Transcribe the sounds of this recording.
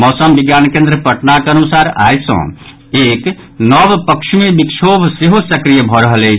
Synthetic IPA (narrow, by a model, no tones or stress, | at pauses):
mɔːsəmbiɡjankẽnd̪ɾəpəʈnakənusaɾa̰jsə̰̃ | ek | nəbpəkʃʰmebikʃʰobʱseɦosəkɾijəbʱɔɾəɦəlɛt͡ʃʰ